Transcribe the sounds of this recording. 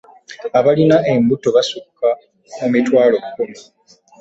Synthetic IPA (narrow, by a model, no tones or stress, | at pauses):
aβalinaʔe̞mbuto̞βasukːa | mumitwaːlo̞kukumi